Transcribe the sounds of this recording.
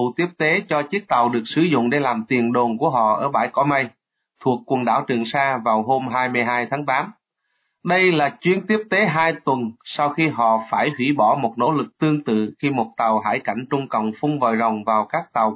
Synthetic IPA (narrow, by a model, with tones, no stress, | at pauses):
u˧˨t̪i˦˥əp̚t̪e˨˦t͡ɕɔ˧t͡ɕi˦˥ək̚t̪a˨˩wɗɨ˨˩ək̚sɨ˧˩zʊ̰˧˨ŋ͡mɗe˧˦laː˨˩mt̪i˨˩ənɗo˨˩nku˧˩əɦɔ̰˧˨ʔəː˧˩ɓaː˧˩jkɔ˧˦mə˧j | t̪ʰu˨˩əkːwə˨˩nɗa̰ː˧˩wt͡ɕɨ˨˩əŋsaː˧vaː˨˩wɦo˧mɦaː˧jmɨ˧jɦaː˧jt̪ʰaː˨˦ŋt̪aː˨˦m | ɗə˧jlaː˨˩t͡ɕwi˧˦ənt̪i˦˥əp̚t̪e˨˦ɦaː˧jt̪wə˨˩nsaː˧wxi˧ɦɔ̰˧˨faː˧˩jhwḭ˧˥ɓɔ˧˩mo˨˩t̚no̰˧˥lɨ˨˩k̚t̪ɨ˧əŋt̪ɨ̰˧˨xi˧mo˨˩t̚t̪a˨˩wɦaː˧˩jka˧˩jŋ̟t͡ɕʊ˧ŋ͡mkə̰˧˨wŋ͡mfʊ˧ŋ͡mvə̰ː˨jzə˨˩wŋ͡mvaː˨˩wkaː˦˥k̚t̪a˨˩w